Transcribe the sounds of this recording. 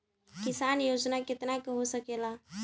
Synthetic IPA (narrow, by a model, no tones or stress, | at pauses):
kɪsanjod͡ʒnakɪt̪nakeɦosəkela